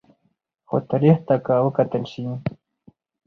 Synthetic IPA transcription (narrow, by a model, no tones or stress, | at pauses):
xo̰t̪əɾiht̪akawəkat̪əlʃi